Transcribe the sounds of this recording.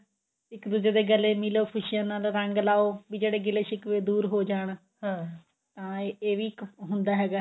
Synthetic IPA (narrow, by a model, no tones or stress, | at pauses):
ɪkd̪uːd͡ʒeːd̪eːɡəleːmɪloːkʰʊʃɪjãːnaːlɾəŋɡlaːoːʋiːd͡ʒeːɽeːɡɪleːʃɪkʋeːd̪uːɾɦoːd͡ʒaːɳ̃ | t̪ãːeːʋiːkɦʊnd̪aːɦɛːɡaː